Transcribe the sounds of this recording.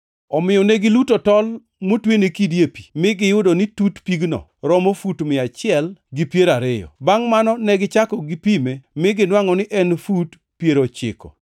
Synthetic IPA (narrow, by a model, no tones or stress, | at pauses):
ɔmɪjɔneɡɪlutotɔl | motwenekidjepi̥mɪɡɪjʊdonɪtutpiɡnɔ̰ | ɾɔmofutmɪat͡ʃɪɛlɡɪpjeɾaɾejɔ̰baŋmanɔnɛɡɪt͡ʃakɔɡɪpimemɪɡɪnwaŋɔnɪʔɛnfut | pjeɾot͡ʃɪ̰kɔ̰